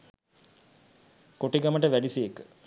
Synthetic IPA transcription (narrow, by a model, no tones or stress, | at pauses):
koʈiɡaməʈəʋæɖiseekə̥